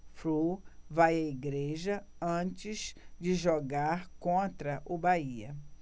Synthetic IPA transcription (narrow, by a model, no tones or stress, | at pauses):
fɾuvajɐiɡɾeʒɐɐ̃t͡ʃɪzd͡ʒɪʒoɡaɾkõnt̪ɾɐʔʊbaiɐ